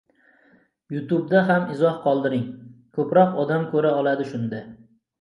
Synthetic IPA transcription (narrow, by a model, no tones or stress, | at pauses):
jʊt̪ub̚d̪aɦamɪzɒhqʰɒlˠd̪ɪɾɪŋkʰɵpɾɒqɒd̪amkʰɵɾaɒlˠad̪ɪʃʊnd̪a